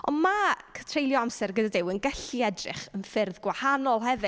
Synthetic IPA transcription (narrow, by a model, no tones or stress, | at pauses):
ɔ̰nmakʰə̥tʰrejlˠjɔamsɛrɡədadɪwənɡɛɬiɛdrɪ̰χənfɪrðɡwahanɔlˠɦɛvɪ